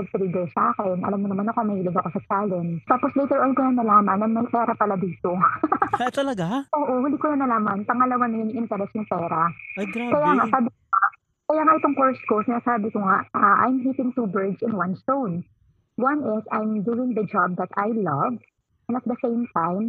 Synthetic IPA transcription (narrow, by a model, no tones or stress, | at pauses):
pɐɡ̚t̪ɾiːd̪ɛlsaːkɛnʔɐ̰lamːonɐmanɐkomɐhiːlɪɡ̪ɐkosɐt͡ʃaːlɛnt̪aːposlejt̪ɛɹʔonkonɐnːɐlaːmɐnɐŋmɐjpɛːɾɐpɐlɐd̪iːt̪o̞ | t̪ɐlɐɡaʔoːʔowɪld̪ikonɐnɐlaːmɐnpɐŋɐlɐwanɐjʊŋʔɪnt̪ɛɾɛsjʊŋpɛːɾakɐjaːŋaʔsaːbɪkoŋa | kɐjaːŋaʔɪt̪o̞ŋkoɹsko̞sɪnaːsaːbɪkoŋaʔaʔa̰jmɦiːp̪ɪŋt̪ubɛd̪sɪnwɐnst̪own | wɐnɪsajmd̪uɪ̃ŋd̪ɐd͡ʒab̚d̪ɐt̪ajlɐv | nɐt̪̚d̪ɐsẽjmt̪ãjm